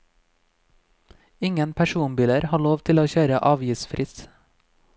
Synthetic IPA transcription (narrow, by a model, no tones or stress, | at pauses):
ɪŋənpʰæʃuːnbɪləɾhɑːɭoːʋt̪ʰɪloːçøːɾəʔɑːʋjɪsfɾʔɪs